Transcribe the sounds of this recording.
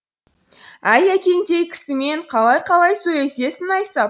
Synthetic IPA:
æjækʲe̞nd̪e̞jkʲʰɪ̥sɪme̞ɴqʰɑlˠɑjqʰɑlˠɑjsɵje̞se̞sɪnɑjsɑ

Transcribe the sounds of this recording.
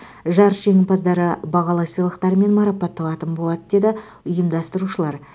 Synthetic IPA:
ʒɑɾʒ̥eŋʲɪpɑzd̪ɑɾəbɑʁɑlˠɑsijlˠəqt̪ɑɾme̞nmɑɾɑpɑt̪ːɑlˠɑt̪ənbo̞lˠɑd̪əd̪e̞d̪ɪ | ʊjəmd̪ɑst̪əɾuʃəlˠɑɾ

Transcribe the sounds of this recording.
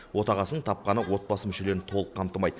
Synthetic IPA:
wo̞t̪ɑʁɑsənəɴt̪ʰɑp̚qɑnəwo̞t̪̚bɑsəmʏʃe̞leɪnɪt̪ʰo̞lˠəqʰːɑmt̪əmɑjd̪ə

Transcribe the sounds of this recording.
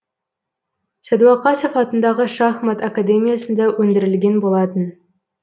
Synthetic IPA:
sæd̪wɑqɑsifɑt̪ənd̪ɑʁəʃɑχmɑt̪akad̪emʲijasənd̪ɑwɵnd̪ɪɾɪlɡʲenbolˠɑt̪ən

